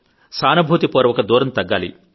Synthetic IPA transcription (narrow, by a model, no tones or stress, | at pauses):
saːnɐbʱuːt̪ipoːɾɐʋɔkɐd̪uːɾɐmt̪ɐɡːaːlḭ